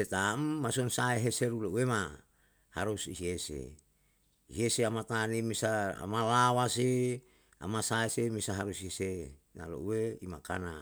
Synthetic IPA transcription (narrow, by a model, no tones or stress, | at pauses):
set̪amːasonsaeɦeseɾulouwema | haɾusḭɦesḛ | iɦieseamat̪animisaa̰malawase | a̰masaesemisaɦaɾusiese | na̰lo̰ʔuweimaka̰na